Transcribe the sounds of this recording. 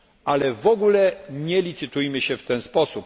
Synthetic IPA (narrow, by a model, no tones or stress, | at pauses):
ʔalɛvɔɡulɛɲɛlʲit̪sɘt̪ujmɘɕɛft̪ɛnspɔsup